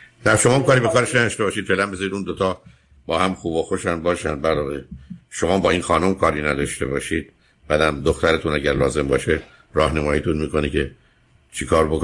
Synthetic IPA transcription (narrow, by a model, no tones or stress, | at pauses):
d̪̥æɾʃomɒːumkɒːɾiːbekʰɒːɾe̞ʃnæd̪ɒʃt̪e̞bɒːʃid̪felæmbezɒːɾiːd̪und̪ot̪ʰɒː | bɒːhæmxuːboxo̞ʃænbɒːʃænd̪bæɾd̪ɒːʁeʃo̞mɒːbɒːinxɒːnomkʰɒːɾiːnæd̪ɒʃt̪e̞̰bɒːʃiːd̪̥ | b̥æd̪æmd̪oxt̪æɾet̪ʰunæɟæɾlɒ̰ːze̞mbɒ̰ːʃe | ɾɒːhnemɒːjit̪ʰunmiːko̞nicʰe̞ | t͡ʃʰikʰɒːɾbok